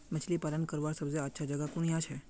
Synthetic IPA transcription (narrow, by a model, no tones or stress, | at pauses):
mət͡ʃʰlipalənkəɾʋaɾsəbzəatːʃʰad͡ʒəɡakuɳjãt͡ʃʰe